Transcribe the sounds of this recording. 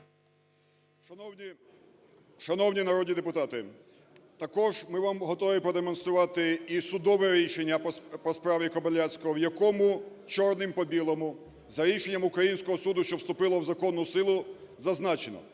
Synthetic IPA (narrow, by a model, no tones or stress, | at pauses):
ʃɐnɔwnʲinɐɾɔd̪ʲnʲid̪epʊt̪ɑt̪ɪ | t̪ɐkɔʒmɪʋamɦɔt̪ɔʋʲipɾɔd̪emɔnst̪ɾʊʋɑt̪ɪisʊd̪ɔʋɛɾʲiʃenʲːɐpɔspɾɑʋʲikɔbɐlʲasʲkɔɔwjɐkɔmʊ | t͡ʃɔrnɪmpɔbʲilˠɐmʊ | zɐɾʲiʃenʲːɐmʊkɾɐjinʲsʲkɔɦɔsud̪ʊʃt͡ʃɔwst̪ʊpɪlˠɔwzɐkɔnːʊsɪlˠʊzɐznɑt͡ʃenɔ̰